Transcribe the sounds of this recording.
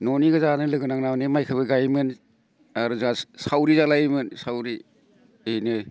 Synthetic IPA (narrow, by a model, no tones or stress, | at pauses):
noniɡɯzanɯlɯɡɯnaŋnawnemajkʰɯbɯɡajmɯn | aɾuzasawɾizalaemɯnsawɾi | ejnɯ